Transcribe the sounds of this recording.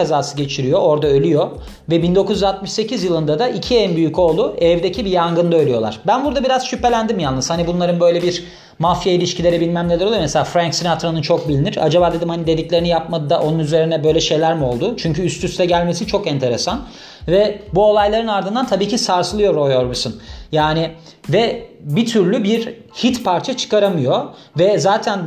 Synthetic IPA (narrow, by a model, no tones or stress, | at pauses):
azaːsɯɟe̞t͡ʃʰiɾijo̞ʔo̞ɾd̪aølʲyjo̞ | vɛbind̪o̞kʰuzyzat̪̚mɯʃse̞cʰizjɯlˠɯnd̪ad̪aicʰiɛnbyjyco̞lˠuɛvd̪e̞cʰibijaŋɡɯnd̪aølʲyjo̞lˠa̰ɾ̥bænbuɾd̪abiɾaz̥ʃypːe̞lʲænd̪imjanːˠɯshanibunlˠaɾɯnbø̞jlʲebiɾ | mafijailʲiʃcʰilʲeɾɛbilʲmæmnʲelʲɛɾolˠujomeselʲaːfɾaɲksinat̪ɾonɯnt͡ʃʰo̞k̚bilʲiniɾa̰d͡ʒabaːd̪ed̪imhanid̪e̞d̪iclʲe̞ɾinijap̚mad̪ɯd̪aʔo̞nunyze̞ɾinɛbø̞jlʲɛʃe̞jlʲæɾmiolˠd̪ʊt͡ʃʰyɲcʰyːst̪ʰyst̪ɛɟælʲme̞sit͡ʃʰo̞kɛnt̪ʰe̞ɾesan | vɛbuo̞lˠajlˠaɾɯnaɾd̪ɯnd̪ant̪ʰabiːcʰisaɾsɯlˠɯjo̞ɾojoɾbisɯnjaːnɪ | vɛbit̪ʰyɾlʲybiɾ | hit̪pʰaɾt͡ʃʰat͡ʃʰɯ̥kaɾamɯjo̞ | vɛzaːt̪ʰæn